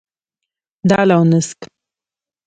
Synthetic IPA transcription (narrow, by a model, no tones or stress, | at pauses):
d̪ɑlawnəsk